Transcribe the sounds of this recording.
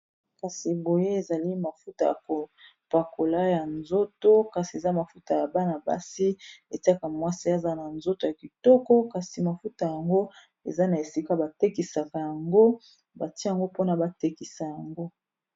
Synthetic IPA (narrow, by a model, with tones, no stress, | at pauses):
ka˨si˨bo˨je˦e˨za˨li˦ma˨fu˦ta˨ja̰˨ko˨pwa˨ko˨la˦ja˨nzo˦to˦ka˨si˨e˨za˦ma˨fu˦ta˨ja˨ba˦na˨ba̰˨si˦e˨ti˦a˦ka˨mwa˦si˦a˦˨za˦na˨nzo˦to˨ja˨ki˨tɔ˦kɔ˦ka˨si˨ma˨fu˦ta˨ja˨ŋɡo˦ | ḛ˨za˦na˨e˨si˦ka˦ba˨te˦ki˨sa˨ka˨ja˨ŋɡo˦ | ba˨ti˦ja˨ŋɡo˦po˦na˨ba˦te˦ki˨sa˨ja˨ŋɡo˦